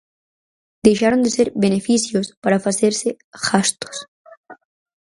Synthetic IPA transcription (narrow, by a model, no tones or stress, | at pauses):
d̪̥eʃaɾond̪eseɾbenefisjospaɾafaseɾse | xast̪o̥s